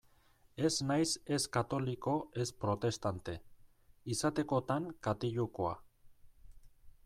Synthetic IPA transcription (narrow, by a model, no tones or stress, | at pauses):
e̞znajse̞skat̪o̞liko̞e̞spɾo̞t̪e̞st̪ant̪e̞ | isat̪e̞ko̞t̪aŋkat̪iʎukoa̰